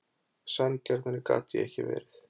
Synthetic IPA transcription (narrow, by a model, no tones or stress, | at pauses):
sancɛɾt̪anːɪka̰ːt̪ɪɛhcɪvɛːɾɪθ